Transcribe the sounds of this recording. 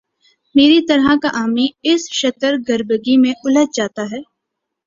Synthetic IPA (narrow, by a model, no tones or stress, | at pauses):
meːɾit̪ɐɾɦəkaʔaːmiɪsʃɐt̪əɾɡɐɾbəɡimẽʊləd͡ʒ̚d͡ʒaːt̪aɦɛː